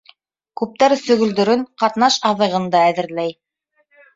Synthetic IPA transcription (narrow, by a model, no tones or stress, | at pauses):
kʉp̚t̪æɾsɵ̆ɣɵ̆ld̪ɵ̆ɾɘŋqɑt̪nɑʃɑðɤ̆ʁɤ̆nd̪ɑæðɘ̆ɾlæj